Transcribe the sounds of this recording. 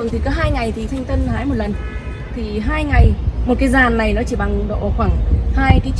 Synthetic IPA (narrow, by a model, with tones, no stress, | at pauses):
nt̪ʰi˨˩kɔ˨˦ɦaː˧jŋa˨˩jt̪ʰi˨˩t̪ʰa˧jŋ̟t̪ə˧nhaː˨˦jmo˨˩t̚lə˨˩n | t̪ʰi˨˩ɦaː˧jŋa˨˩jmo˨˩t̚kaː˨˦jzaː˨˩nːa˨˩jnɔ˨˦t͡ɕi˧˩ɓa˨˩ŋɗo̰˧˨ʔxwaː˧˩ŋhaː˧jkaː˨˦